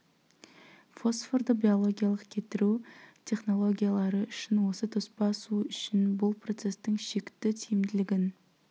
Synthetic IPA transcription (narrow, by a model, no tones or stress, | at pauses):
fo̞sford̪əbʲio̞lˠo̞ɡʲijalˠəqkʲʰe̞t̪ɪɾut̪ʲʰe̞χno̞lˠo̞ɡʲijalˠɑɾəʔʏʃɪnwo̞sət̪ʰʊspɑsuʏʃɪnbʊlˠpro̞t̪se̞st̪ɪŋʃe̞kʲt̪ːɪt̪ʰijɪmd̪ɪlɪɡʲɪn